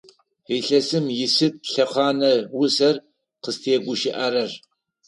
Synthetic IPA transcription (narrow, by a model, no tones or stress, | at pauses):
iːɬɐsɨmjɪsɨt̚pɬɐχʷɑːnɐwʊsɐr | qəstʰeːɡʷʊʃɪʔɐɾɐr